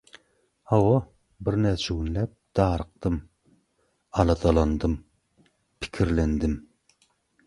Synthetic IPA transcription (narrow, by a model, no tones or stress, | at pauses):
hɑwɑ | bɪɾnɛɾt͡ʃʰewunlɛp̚d̪̥ɑːɾəq̚t̪ɨm | ɑlˠɑd̪ɑlˠɑnd̪ɨm | pʰɪ̥kʲʰiɾlɛnd̪ɪm